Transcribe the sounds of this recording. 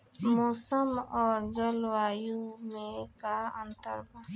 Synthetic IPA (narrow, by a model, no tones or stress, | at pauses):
moːsəmɔːɾd͡ʒəlwajumẽkaənt̪əɾba